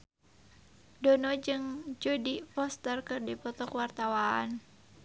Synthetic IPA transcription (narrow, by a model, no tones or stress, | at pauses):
dɔnɔd͡ʒɨŋd͡ʒɔdipɔst̪ərkɨrdipɔt̪ɔkwart̪awaan